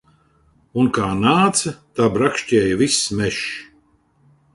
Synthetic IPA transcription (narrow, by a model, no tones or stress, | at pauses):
unkaːnaːt̪sɐt̪aːbɾakʃtʲɛːjɐvismɛʃ